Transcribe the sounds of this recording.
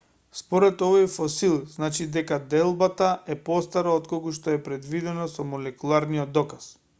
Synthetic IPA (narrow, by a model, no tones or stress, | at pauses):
spɔɾɛt̪ɔvɔjfɔsilˠznat͡ʃid̪ɛkad̪ɛlˠbat̪aʔɛpɔst̪aɾaɔt̪kɔkuʃt̪ɔɛpɾɛd̪vid̪ɛnɔsɔmɔlɛkulˠaɾnijɔd̪ːɔkas